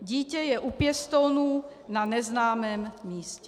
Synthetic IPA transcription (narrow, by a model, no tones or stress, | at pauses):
ɟiːcɛjɛʔupjɛst̪onunanɛznaːmɛːmːiːscɛ